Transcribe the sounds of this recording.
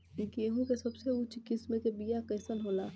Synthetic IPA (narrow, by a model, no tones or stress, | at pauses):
ikeɦũkesɐbseʊt͡ʃkɪsmẽkebijakəːsənɦoːlaː